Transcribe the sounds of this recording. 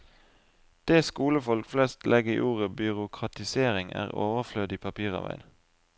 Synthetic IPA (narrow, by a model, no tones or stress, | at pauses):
d̪̥eːskuːləfɔlkflɛst̪lʔɛɡəḭːʔuːʁəbʏʁʊkʰʁɑt̪ɪseːʁɪŋæ̰ːʁo̰ːʋəʁflœd̪iːpʰɑpʰiːʁɑ̰ʋæ̰ɪn